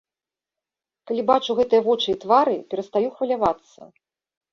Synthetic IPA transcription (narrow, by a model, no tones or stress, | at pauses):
kalʲibat͡ʂuɣɛt̪ɨjɐvɔt͡ʂɨit̪vaɾɨpʲɛɾɐst̪ajuxvɐlʲavat̪sːɐ̰